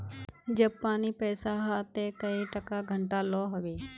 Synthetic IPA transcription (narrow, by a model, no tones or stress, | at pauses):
d͡ʒɐb̚paːnipɛːsaɦat̪ekɐiʈɐkaɡʱəɳʈalɔːɦɐʋeː